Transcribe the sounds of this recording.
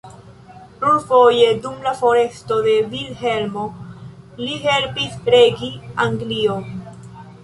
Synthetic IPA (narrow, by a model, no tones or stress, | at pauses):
pɾuɾfo̞je̞dumlafo̞ɾe̞sto̞de̞vilhelmo | liɦe̞lpispɾeɡiaŋɡlion